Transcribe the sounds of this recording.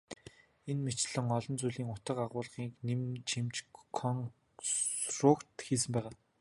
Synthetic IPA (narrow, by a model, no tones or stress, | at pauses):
enmet͡ɕɮɘ̆ŋɔɮɞ̆nt͡suɮiːŋʊt̪ə̆qaʁʊːɮʁiːknemt͡ɕʰimt͡ɕkʰɔŋ | srʊkt̪xiːs̬ɘ̆mpæːʁaː